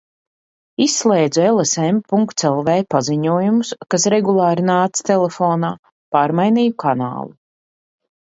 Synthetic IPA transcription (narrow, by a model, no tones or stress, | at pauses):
isːlˠɛːjd̪zuelˠesɛmpuŋkt̪sɛlˠvɛːpaziɲuɔjumuskasɾɛɡulˠɑːɾinaːt̪st̪ɛlefoːnaː | paːɾmajniːjukʰana̰ːlˠu